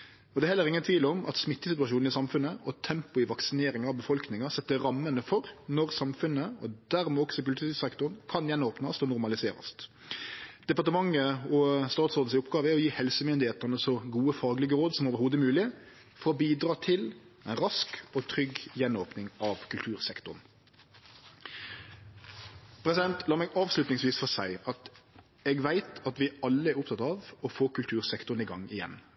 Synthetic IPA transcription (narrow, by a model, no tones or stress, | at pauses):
ɔd̪ɛhɛlːəʁɪŋːənt̪ʰʋiːləɔmʔɑ̰t̪smɪt̪ːəsɪt̪ʉɑʂuːnɪsɑmfʉnːəʔɔt̪ʰɛmpʊɪʋɑksɪneːɾɪŋɑʋbəfɔlknɪŋɑsɛt̪ːəɾɑmːənəfɔɾnɔʁsɑmfʉnːəɔd̪æɾmɛɔksɔkʉlt̪ʰʉsɛkt̪ʊnkʰɑnjɛnoːpnɑst̪ɔnʊɾmɑlɪseːɾɑ̰st̪ | d̪̥ɛpɑʈ̪əmɑŋːəɔst̪ɑːt̪sɔɾd̪n̩sɪɔpːɡɑːʋəæɾɔjiːhɛlsəmʏnd̪ɪheːt̪ənəsɔɡuːəfɑːɡlɪɡəɾoːd̪sɔmoːʋəɾhuːd̪əmʉːlɪ | fɔɾɔbiːd̪ɾɑːt̪ʰɪlæɪnɾɑskɔt̪ʰɾʏɡjɛnoːpnɪŋɑʋkʰʉlt̪ʰʉːɾsɛkt̪ʊn | pʰɾɛsɪd̪ɛnt̪ʰlɑːmɛːɡɑːʋslʉt̪nɪŋsʋiːsfɔsæɪɑt̪ | ɛːɡʋæɪt̪ɑt̪ʋɪɑlːəɛɾʊpt̪ɑt̪ɑʋɔfoːkʉlt̪ʰʉːʁsɛkt̪ʊɾnɪɡɑŋːɪjɛ̰n